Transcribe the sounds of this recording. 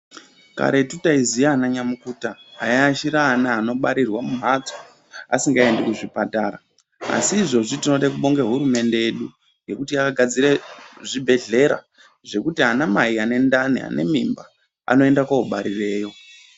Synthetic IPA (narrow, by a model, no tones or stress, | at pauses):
ka̰ɾetutaizijaːnaɲamukutaːjaːʃiɾaːnaːno̞ɓaɾirwamum̤at͡so | asiŋɡae̞ndekuʐipataːɾa | a̰siːʐo̞ʐitino̞ɗekuɓo̞ŋɡeɦuɾume̞nde̞eɗu | ŋɡe̞kutiakaɡʱad͡ziɾeʐibʱe̞ɮe̞ɾa̰ | ʐe̞kutianamaiane̞ndania̰ne̞mimba | a̰no̞e̞ndakauɓaɾire̞ːjo̞